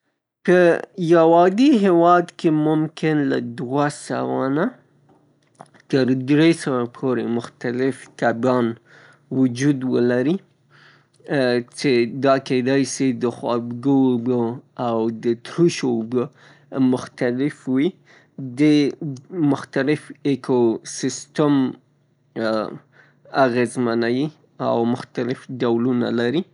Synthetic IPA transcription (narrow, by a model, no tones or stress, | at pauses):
pəjawɑd̪iɦewɑd̪kemʊmkɪnla̰d̪wasa̰wa̰na | t̪əɾd̪ɾesəwapʰoɾemʊxt̪alɪft̪abjɑn | wʊd͡ʒud̪wəlaɾi | t͡ʃed̪ɑked̪ɑjsid̪əxwɑ̰dɡobəawd̪ət̪ɾuʃobə | mʊxt̪alɪfwi | d̪e | mʊxt̪alɪfekosɪst̪am | aɣezmanawi | a̰wmʊxt̪alɪfɖawluna̰laɾi